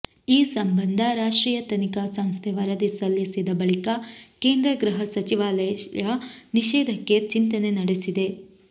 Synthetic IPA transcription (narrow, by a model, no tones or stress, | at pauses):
iːsɐmbɐnd̪ʱɐɾaːʂʈɾiːjɐt̪ɐnikaːsɐmst̪ʰeʋɐɾɐd̪isɐlːisid̪ɐbɐɭikɐkeːnd̪ɾɐɡɾɨɦɐsɐt͡ʃiʋaːlɐjjɐniʃɛːd̪ʱɐkːe̞t͡ʃint̪ɐne̞nɐɽesid̪e̞